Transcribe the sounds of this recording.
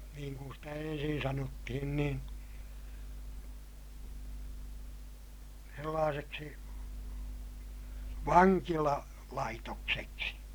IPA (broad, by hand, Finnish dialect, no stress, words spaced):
niːŋ kun stæ ensin sɑnotːihin nin̞ selːɑːseksi ʋɑŋkilɑ lɑitokseksi